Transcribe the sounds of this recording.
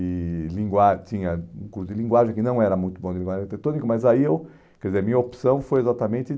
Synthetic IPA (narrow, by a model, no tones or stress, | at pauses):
ɪlĩŋɡwat͡ʃ̪ĩɲɐũkuɾsʊd̪ɪlĩŋɡwaʒẽj̃kɪnɐ̃w̃ɛɾɐmũj̃t̪ʊbõd̪ɪlĩɡwaʒ̃kt̪et̪õnikʊmɐzaiew | kkɛd̪ɪzeɾmĩɲɐopsɐ̃w̃fojezat̪ɐmẽnt̪ɪ